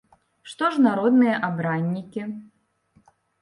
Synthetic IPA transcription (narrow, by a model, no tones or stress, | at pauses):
ʂt̪ɔʂnaɾɔd̪nɨjɐʔabɾanʲːikʲi